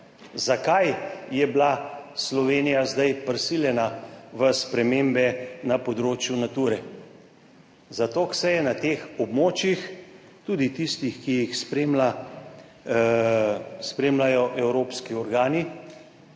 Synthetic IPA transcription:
zakajjɛblaslɔʋeːnijazd̪ajpɾsiljɛnaʋəspɾɛmeːmbɛnapɔd̪ɾoːt͡ʃjunat̪uːɾɛ | zat̪oːksɛjɛnat̪eːxɔbmoːt͡ʃjix | t̪uːd̪it̪ist̪ixkijixspɾema | spɾeːmlajɔʔɛwɾoːpskiɔɾɡaːni

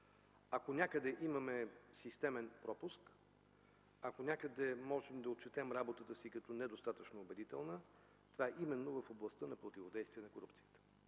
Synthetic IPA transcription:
ɐkonʲakəd̪ɛʔimɐmɛsist̪ɛmɛnpɾɔpʊsk | ɐkonʲakəd̪ɛmɔʒɛmd̪ɐot̪̚t͡ʃɛt̪ɛmɾabot̪ət̪əsikɐt̪ɔnɛd̪ost̪at̪ət͡ʃnoːbɛd̪it̪ɛlˠnə | t̪ovaɛʔimɛnːovəfoblˠɐst̪ənɐpɾot̪ivod̪ɛjst̪viɛnɐkoɾupt̪sijət̪ə̥

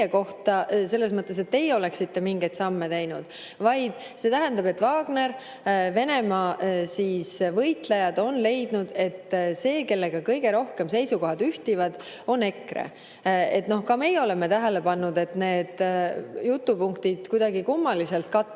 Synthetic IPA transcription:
eko̞ht̪ɑse̞lːe̞s̬mɤt̪ːˑe̞se̞t̪ːe̞jo̞le̞ksit̪ːe̞miŋɡe̞jd̪̥sɑmːe̞t̪e̞jnud̪̥ | vɑjd̪̥ | se̞ːt̪æɦænd̪ɑbe̞t̪ːˑvɑːɡ̥ne̞ɾ | ve̞ne̞mɑːsiːsvɤjt̪lejɑd̪o̞nle̞jd̪̥nud̪̥e̞t̪ːse̞ːke̞lːe̞ɡ̥ɑkɤjɡ̥e̞ɾo̞hke̞mse̞jsuko̞ɦɑd̪yht̪ivɑd̪̥ | o̞ne̞krḛ | e̞̰t̪no̞hkɑme̞jeo̞le̞met̪æɦele̞pɑnːud̪e̞t̪ne̞ːd̪̥jut̪ːˑupuŋkt̪id̪̥kujd̪̥ɑɡikumːɑlise̞lt̪̚kɑt̪ˑː

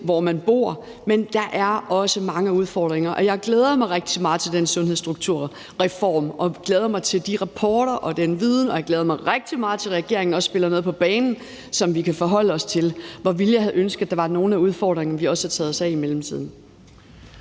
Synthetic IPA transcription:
ʋɒmænb̥o̝ɐ̰ | mend̥ɑ̈ʔæɐɒ̽səmɑ̈ŋəuð̞ˠfɒːd̥ʁeŋɐʔɒ̽jɑ̈ɪɡ̥leːð̞ˠɐmɑ̈ɪʁeɡ̥̚d̥imɑ̈ːð̩ˠt͡sʰe̝ld̥ensɔ̽nheðˠsd̥ʁuɡ̥̚t͡sʰuɐ̰ | ʁɛfɒ̰ːmɒ̽ɡ̥leːðˠɐmɑ̈ɪt͡sʰe̝ld̥iʁɑ̈pʰɒːɾ̥ɐʔɒ̽d̥enəʋiðˠn̩ɒ̽jɑ̈ɡ̥leːð̞ˠɐmɑ̈ɪʁeɡ̥̚d̥imɑ̈ːð̩ˠt͡sʰe̝lʁɛɡ̥e̝̰ɐ̰e̝ŋn̩ɒ̽sb̥e̝lɐnoːð̞̩ˠpʰɒ̽b̥ɛːnn̩ | sɒ̽mʋikʰæfɒ̽ɦɒ̽l̰əɒ̽st͡sʰe̝lʋɒʋil̥jɑ̈hæð̩ˠønsɡ̥ð̩ˠd̥ɑ̈ʋɑ̈no̝ːn̩æuð̞ˠfɒ̰ːd̥ʁeŋn̩ʋiɒ̽sə̥hæt͡sʰɛːð̩ˠsɛimelm̩t͡sʰḭð̞̰ˠn̩

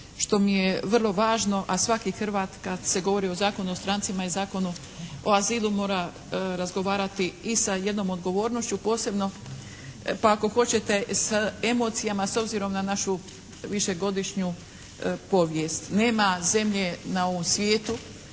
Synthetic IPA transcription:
ʃt̪o̞mije̞ʋr̩lˠo̞ʋaːʒno̞ʔasʋakixrʋat̪kad̪se̞ɡo̞ʋo̞ɾiːo̞zaːko̞nuost̪ɾant̪simaizaːko̞nu | oaziːlˠumo̞ːɾa | ɾazɡo̞ʋaːɾat̪iːsaje̞d̪no̞mo̞d̪ɡo̞ʋo̞ːɾnoʃt͡ɕupo̞ːse̞bno̞ | paako̞xo̞t͡ɕe̞t̪e̞se̞mo̞ːt̪sijamaso̞bziɾo̞mnanaʃu | ʋiʃe̞ɡo̞d̪iʃɲu | po̞ʋjest̪ne̞ːmaze̞mʎe̞nao̞ʋo̞msʋʲjeːt̪u

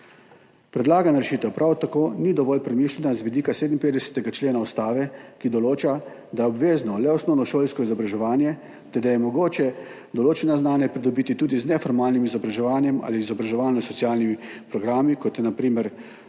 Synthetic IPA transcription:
pɾɛd̪laːɡanaɾɛʃiːt̪ɛwpɾʔawt̪akoːnid̪ɔʋɔlpɾɛmiːʃlʲɛnazʋid̪iːkaseːd̪nipeːd̪ɛsɛ̥t̪ɛɡat͡ʃleːnaust̪aːʋɛkid̪ɔloːt͡ʃa | d̪aɔbʋeːznɔlɛɔsnɔwnɔʃoːlskɔizɔbɾaʒɛʋaːnjɛ | t̪ɛɾd̪ajɛmɔɡoːt͡ʃɛ | d̪ɔloːt͡ʃɛnaznaːnjɛpɾid̪ɔbiːt̪it̪uːd̪iznɛfɔɾmaːlnimizɔbɾaʒɛʋaːnjɛma̰ːliːzɔbɾaʒɛʋaːlnɔsɔt̪sijaːlnimipɾɔɡɾaːmikɔt̪jɛnapɾiːmɛɾ

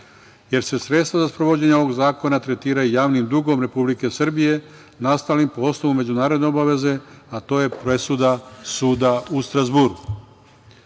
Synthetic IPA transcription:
je̞ɾse̞sɾe̞t̪st̪ʋazaspɾo̞ʋo̞d͡ʑeɲeoʋo̞ɡzaːko̞nat̪ɾe̞t̪iːɾajujaːʋnimd̪uɡo̞mɾe̞publike̞srbije̞ | nast̪aːlimpoo̞snoʋume̞d͡ʑunaːɾod̪ne̞o̞baʋe̞ze̞at̪o̞ːje̞pɾe̞sud̪asuːd̪aust̪ɾazbuɾu

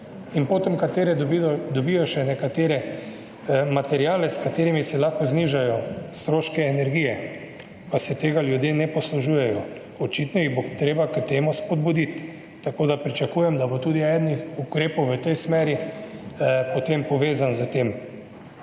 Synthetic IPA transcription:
inpoːt̪ɛmkat̪eːɾɛd̪ɔbijɔʃɛnɛkat̪eːɾɛ | mat̪ɛɾiaːlɛskat̪eːɾimisɛlaxkɔzniʒajɔst̪ɾoːʃkɛːnɛɾɡiːjɛ | pasɛt̪eːɡaljud̪jeːnɛpɔsluʒuːjɛjɔ | ɔt͡ʃit̪nɔjiɣbot̪ɾeːbakət̪eːmuspɔd̪bud̪it̪ː | akoːd̪apɾit͡ʃakuːjɛmd̪abot̪uːd̪iɛd̪nixukɾeːpɔwʋət̪ɛjsmɛːɾi | pɔt̪empɔʋeːzanzət̪em

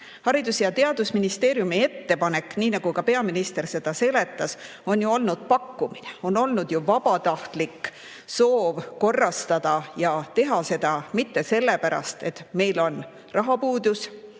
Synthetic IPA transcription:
hɑɾid̪̥usjɑt̪e̞ɑd̪̥usminist̪e̞ːɾjumie̞t̪ːe̞pɑne̞kːniːnɑɡ̥ukɑpe̞ɑminist̪e̞rse̞d̪̥ɑse̞le̞t̪ˑːɑs | o̞njuo̞lnud̪̥̚pɑkːumineo̞no̞lnud̪̥juvɑbɑt̪ɑht̪lik | so̞ːvko̞rːɑst̪ɑd̪̥ɑjɑt̪e̞ɦɑse̞d̪̥ɑmit̪ːe̞se̞lːe̞pæɾɑ̰st̪e̞t̪ˑme̞jlo̞n | rɑɦɑpuːd̪̥us

